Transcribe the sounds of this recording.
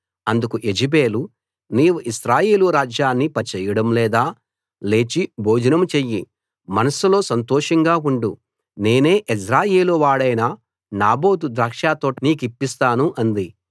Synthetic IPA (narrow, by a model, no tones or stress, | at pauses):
ɐnd̪ukuʔe̞d͡ʒibe̞ːlu | niːʋuʔiʃɾaːjeːluɾaːd͡ʒjaːnːipɐt͡ʃɛːjɐɽɐmlɛːd̪aː | le̞ːt͡ʃibo̞ːd͡ʒɐnɐmt͡ʃejːi | mɐnɐsulo̞ːsɐnt̪ɔːʂɐŋɡaːuɳɖu | ne̞ːne̞ːʔisɾaːjeːluʋaːɽɐjnɐ | naːbo̞ːd̪ud̪ɾaːkʂaːt̪oːʈiniːk̬ipːist̪aːnuʔɐnd̪i